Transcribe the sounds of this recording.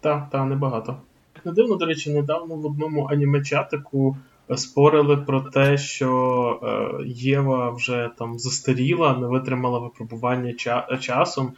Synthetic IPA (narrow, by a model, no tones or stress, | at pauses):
t̪ɑt̪ɑnɛbɐɦɑt̪ɔ | jɐknɛd̪ɪwnɔd̪ɔɾɛt͡ʃɪnɛd̪ɑwnɔʋɔd̪̚nɔmʊʔɐnʲimɐt͡ʃʲɑt̪ɪkʊ | spɔɾɪlˠɪpɾɔt̪ɛʃt͡ʃɔ | jɛʋɐwʒɛt̪ɑmzɐst̪eɾʲilˠɐnɛʋɪt̪ɾɪmɐlˠɐʋɪpɾɔbʊʋɑnʲːɐt͡ʃt͡ʃɑsɔm